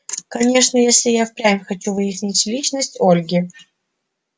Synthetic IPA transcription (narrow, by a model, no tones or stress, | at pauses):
kɐnʲe̞ʂnəjesʲlʲɪjafpɾʲamʲxɐt͡ɕuvɨjɪsʲnʲitʲlʲit͡ɕnəsʲtʲolʲɡʲɪ